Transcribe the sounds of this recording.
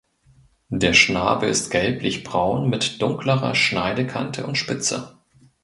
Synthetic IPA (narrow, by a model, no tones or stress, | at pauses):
d̥eːɐʃna̰ːbəɪstɡ̥ɛlplɪçb̥ʁaʊnmɪtd̥ʊŋkləʁɐ̰ʃnaɪdəkʰa̰ntʰəʊntʃpɪt͡sə̰